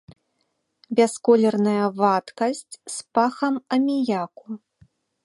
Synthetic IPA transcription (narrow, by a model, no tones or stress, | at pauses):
bʲɛskɔlʲɛrnɐjɐvat̪kɐsʲt͡sʲspaxɐmɐmʲijaku